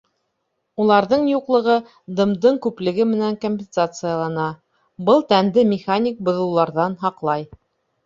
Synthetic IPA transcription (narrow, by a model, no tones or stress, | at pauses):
ulˠɑɾðɤɴjuqlˠɤ̆ʁɤ | d̪ɤ̆md̪ɤɴkʉplɘ̆ɡɘmɘ̆næŋkomʲpʲɪnsat̪sɨjalˠɑnɑ | bɤlˠt̪ænd̪ɘmʲɪχanʲik̚bŏðɤ̆wlˠɑɾðɑnɦɑqlˠɑj